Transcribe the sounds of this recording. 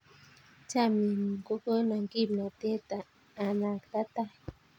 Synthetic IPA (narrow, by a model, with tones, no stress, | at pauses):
t͡ʃa˦mi˨m˨ko˦ko˦na˨ŋki˦pna˨t̪e˦t̪aː˨ | na˨kt̪a˦t̪a˦